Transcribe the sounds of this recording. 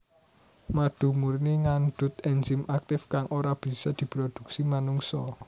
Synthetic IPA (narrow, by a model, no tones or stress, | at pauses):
maɖ̪̥ṳmurneŋand̪ʊt̪̚ɛnd͡ʒɪmʔak̚t̪ɪfkaŋʔoɾab̥i̤sɔd̪̥i̤pɾod̪̥ṳk̚simanuŋsɔ